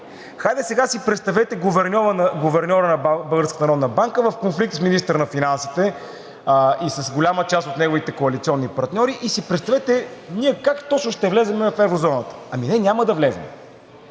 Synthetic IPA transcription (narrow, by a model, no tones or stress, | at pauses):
xajd̪ɛsɛɡasipɾɛt̪st̪ɐvɛt̪ɛɡʊvɛɾnʲɔɾənɐɡʊvɛɾnʲɔɾənɐbəlˠɡəɾskət̪nɐɾɔd̪nəbaŋkəvəfkonflik̚t̪sminist̪əɾnɐfinansit̪ɛ | isɐsɡolʲamət͡ʃast̪ot̪nɛɡovit̪ɛkoɐlit̪siɔnːipɐɾt̪nʲɔɾiʔisipɾɛt̪st̪ɐvɛt̪ɛniɛkakt̪ɔt͡ʃnʊʃt̪ɛvlɛzɛmɛfɛvɾozɔnət̪ə̥ɐminɛnʲaməd̪ɐvlɛzɛ̰m